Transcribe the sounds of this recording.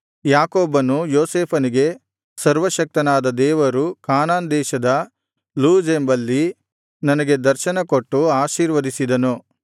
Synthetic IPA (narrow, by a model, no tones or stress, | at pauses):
jaːkoːbɐnujoːseːpʰɐniɡe̞ | sɐɾʋɐʃɐk̚t̪ɐnaːd̪ɐd̪ɛːʋɐɾukaːnaːnd̪ɛːʃɐd̪ɐ | luːd͡ʒembɐlːi | nɐnɐɡe̞d̪ɐɾʃɐnɐko̞ʈːuaːʃiːɾʋɐd̪isid̪ɐnu